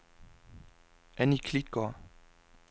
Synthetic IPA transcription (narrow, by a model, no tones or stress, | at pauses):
ʔɛnikʰlɪkɑ